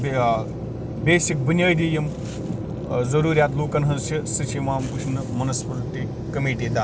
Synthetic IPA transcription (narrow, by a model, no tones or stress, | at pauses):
be | beːʃik̚bɐnjɐːjd̪ijɐm | zɐɾuːɾʲjaːt̪loːkɐnɦɐzʃʰisɨt͡ʃʰimaːmkuʃnɨmɐnɐspɐɾut̪i | kɐmeːʈiːd̪aː